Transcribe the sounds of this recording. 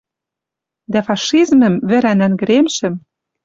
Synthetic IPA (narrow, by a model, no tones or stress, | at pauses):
d̪æfɑʃizmə̆mβɘ̆ɾænænɡɘ̆ɾemʃɘ̆m